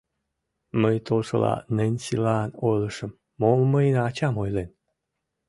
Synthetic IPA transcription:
məjt̪oʂɤ̰la̰nenʲɕilanojlɤʂəmːoməjnat͡ɕamojlen

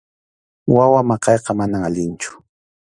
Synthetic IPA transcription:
wawamɑqɑjqɑmanamaʎɪnt͡ʃʊ̥

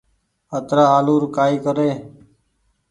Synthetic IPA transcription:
ət̪ɾaːaːluːɾkaːiːkəɾeː

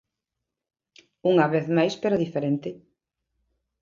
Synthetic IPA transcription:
uŋɐβeθmajspeɾoðifeɾent̪ɪ

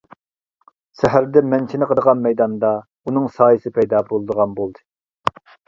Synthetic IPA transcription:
sɛɦæɾd̪ɛmɛnt͡ʃʰinɪqʰəd̪əʁɑnmɛjd̪ɑnd̪ɑ | unɨŋsɑːjɨsɨpʰɛjd̪ɑbolˠɨd̪əʁɑnbolˠd̪ɨ

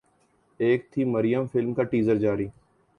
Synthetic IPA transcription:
eːk̚t̪ʰiːməɾɪjəmfɪlmkaʈiːzəɾd͡ʒaːɾiː

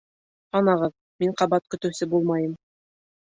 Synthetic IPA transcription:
ɑnɑʁɤð | miɴqɑbɑt̪̚kɵ̆t̪ɘ̆wsɘbulˠmɑjɤm

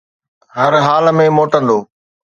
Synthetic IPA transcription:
ɦəɾɦaːlmẽːmoːʈə̃nd̪oː

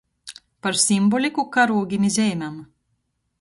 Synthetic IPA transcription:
paɾsʲimbɔlʲikukaɾuɔɡʲimʲizʲɛjmʲam

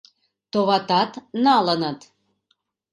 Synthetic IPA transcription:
t̪oβɑt̪ɑt̪nɑlənət̪

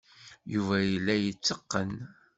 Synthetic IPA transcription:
juvæjəlːæjət͡sːəqːən

